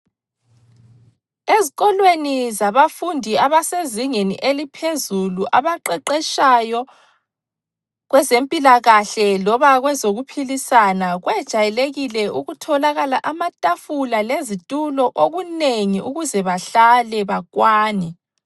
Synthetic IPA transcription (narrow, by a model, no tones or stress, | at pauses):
eziɣɔlwenizaβafundʱiaβaseziŋenḭʔelipʰezuluʔaβaǃɛǃɛʃajɔ | ɣwɛzempʼilaɣaɬɛlɔβaɣwɛzoɣupʰilisanaɣwɛd̥ʒ̥ʱajɛleɣilɛuɣutʰɔlaɣalaʔamatʼafulalezitʼulɔʔoɣuneŋiʔuɣuzɛβaɬalɛβaɣwaːnɛ